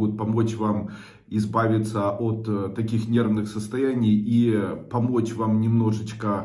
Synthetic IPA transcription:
ɡʊt̪̚pɐmo̞t͡ɕvam | ɪzbavʲɪt̪səʔot̪ːɐkʲixnʲe̞rvnɨxsəst̪ɐjænʲɪjipɐmo̞t͡ɕvamnʲɪmno̞ʐɨt͡ɕkə

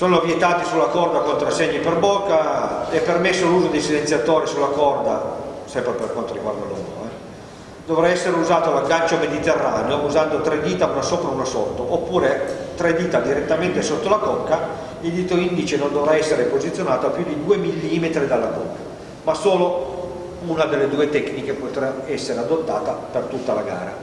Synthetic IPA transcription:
soːnovjet̪aːt̪isulːakɔrd̪akont̪ɾasːeɲːiperbokːaɛpːermesːoluːzod̪esilent̪sjat̪oːɾisulːakɔrd̪a̰sɛmpɾeperkwant̪oɾiɡward̪a̰lo̰ːmɾo̰ɛ | d̪ovɾaɛsːeɾeuzaːt̪olaɡant͡ʃomed̪it̪erːa̰ːneouzand̪ot̪ɾɛd̪iːt̪aunasoːpɾaunasɔt̪ːoʔopːuːɾet̪ɾed̪iːt̪ad̪iɾet̪ːament̪esot̪ːolakɔkːa | ild̪iːt̪oind̪it͡ʃenond̪ovɾaɛsːeɾepozit̪sjonaːt̪oapjud̪id̪uːemilːimet̪ɾid̪alːaɡoa | masoːlo | unad̪elːed̪uːet̪ɛknikepot̪ɾaɛsːeɾead̪ot̪ːaːt̪apert̪ut̪ːalaɡa̰ːɾa̰

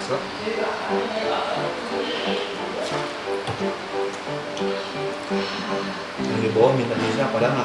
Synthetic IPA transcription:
sa | jaŋdibawamint̪at̪isakadaŋa

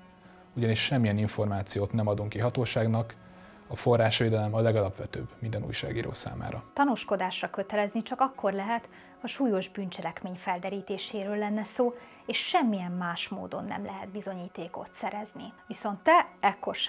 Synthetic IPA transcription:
uɟɒniʃːɛmːijɛniɱfo̞rmaːt̪sijoːt̪nɛmɒd̪uŋkiɦɒt̪oːʃaːɡnɒk | ɒfo̞raːʃʋeːd̪ɛlɛmɒlːɛɡɒlɒpʋɛt̪ø̰ːbmind̪ɛnṵːjʃa̰ːɡiːɾo̰ːsa̰ːma̰ːɾɒt̪ɒnuʃko̞d̪aːʃrɒkø̞t̪ɛlɛznit͡ʃɒkɒkʰːo̞rlɛɦɛt̪ | hɒʃuːjo̞ʒbynt͡ʃɛlɛkmeːɲfɛld̪ɛɾiːt̪eːʃeːɾøːlːɛnːɛsoː | eːʃʃɛmːijɛmːaːʃmo̰ːd̪o̞̰nːɛ̰mlɛɦɛd̪̚bizo̞ɲiːt̪eːko̞̰t̪sɛɾɛzniʋiso̞nt̪ːɛɛkːo̞rʃ

